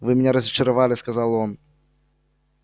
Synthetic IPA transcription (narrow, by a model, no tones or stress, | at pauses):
vɨmʲɪnʲɛɾɐzʲɐt͡ʃɐɾavalʲɪskazalˠɔn